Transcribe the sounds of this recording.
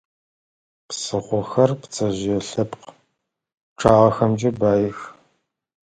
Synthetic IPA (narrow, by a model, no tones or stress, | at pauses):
psɨʁʷɔxɐrpt͡sʰʼɐʑɛɬɨpq | ʈ͡ʂʰaːʁɐxɐmd͡ʒɐbaːjɪx